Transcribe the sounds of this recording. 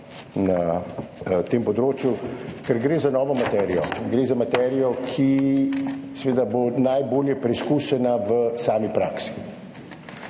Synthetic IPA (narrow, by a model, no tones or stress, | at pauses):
na | t̪eːmpɔd̪ɾoːt͡ʃjukɛɾɡɾeːzanɔːʋɔmat̪ɛɾijɔɡɾeːzamat̪ɛɾijɔkʰi | sɛʋeːd̪abonajboːljɛpɾiskuːʃɛnaʋəsaːmipɾaːksi̥